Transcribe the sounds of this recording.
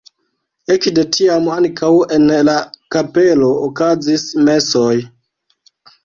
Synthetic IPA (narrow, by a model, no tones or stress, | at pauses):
et͡ʃde̞tʰiamaŋkʰawe̞nlakape̞lo̞ːkazisme̞soj